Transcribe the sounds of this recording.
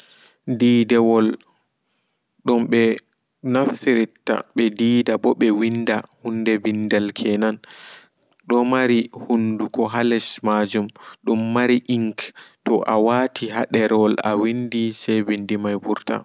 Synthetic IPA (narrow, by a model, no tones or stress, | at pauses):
diːdɛwɔl | ɗɔmɓɛ | naftiɾitːa̰ɓɛdiːdabɔɓɛwindahundɛbindalkʰɛnan | ɗɔmaɾihundukɔɦalɛsmad͡ʒumɗumːaɾiʔiŋktɔʔawatʰiɦaɗɛɾɛɔla̰windisɛjbindimajbuɾta̰